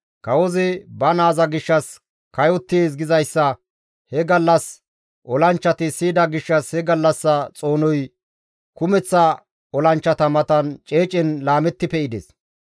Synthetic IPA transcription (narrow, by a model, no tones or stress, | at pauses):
kɐwɔzɪbɐnaːzɐɡɪʃːɐs | kɐjɔt̪ːɪes̬ɡɪzɐjsːɐ | hɛɡɐlːɐs | ʔɔlɐnt͡ʃːɐt̪ɪsiːd̪ɐɡɪʃːɐshɛɡɐlːɐsːɐt͡sʼo̞ːnɔj | kʊmɛt͡sːɐ | ɔlɐnt͡ʃːɐt̪ɐmɐt̪ɐnt͡ʃʼeːt͡ʃʼɪnlaːmɛt̪ːɪpɛɪd̪ḛs